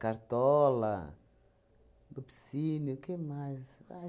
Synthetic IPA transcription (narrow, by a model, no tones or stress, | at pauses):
kaɾt̪ɔla̰ | dupisinukemajsa